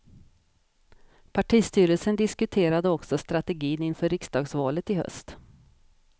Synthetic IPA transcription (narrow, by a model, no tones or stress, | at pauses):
pʰaʈʰiːst̪yːɾəlsənd̪ɪskɵt̪ʰeːɾad̪əɔksɔst̪ɾat̪ɛɡiːnɪnfœːɾɪksd̪ɑːɡsvɑːlət̪ɪhœ̰st̪